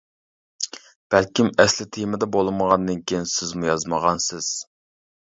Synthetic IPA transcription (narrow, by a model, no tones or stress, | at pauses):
b̥ælkʲimɛslɪt̪ʰejmɪd̪ɛbolˠɨməʁɑnd̪ɨnkʲijinsɪzmujɑzməʁɑnsɪz̥